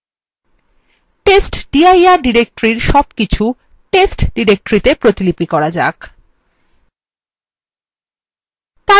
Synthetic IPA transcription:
ʈesʈɖ̥iajaɾɖiɾek̚ʈoɾiɾʃɔbkit͡ɕʰu | ʈesʈɖiɾek̚ʈɾit̪epɾot̪ilipikɔɾad͡ʑa̰k | t̪a

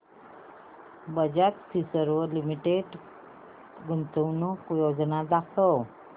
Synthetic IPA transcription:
bəd͡ʑat̪sisəɾʋəlimiʈeɖ | ɡunt̪əwnokjod͡ʑnad̪akʰəw

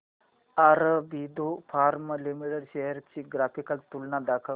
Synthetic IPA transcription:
ɐɾbiːd̪opʰaːɾmlimiʈəɽʃeɦəɾt͡ʃiɡɾaːpʰikəlt̪ulnad̪aːkʰə

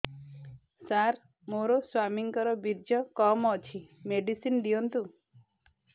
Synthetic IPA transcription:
saɾ | moɾoswamiŋkɔɾɔbiɾd͡ʒɔkɔmɔt͡ʃʰimeɖisind̪ijɔnt̪u

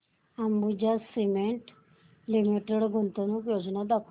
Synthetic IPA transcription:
ambud͡ʒasimeɳʈ | limiʈeɽɡʱont̪onũkjod͡ʒnad̪akʰ

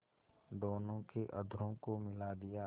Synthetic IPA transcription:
d̪oːnõkeʔɐd̪ʱɾõkomɪlad̪ɪja

